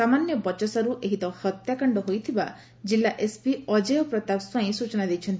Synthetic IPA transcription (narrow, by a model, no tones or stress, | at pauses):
samanjɔbɔt͡ʃɔsaɾuʔeɦit̪ɔhɔt̪jakɔɳɖɔɦojt̪ʰiba̰ | d͡ʒilːaʔespiɔd͡ʒejɔpɾɔt̪akswaĩsut͡ʃɔnad̪ejt͡ʃʰɔnt̪ii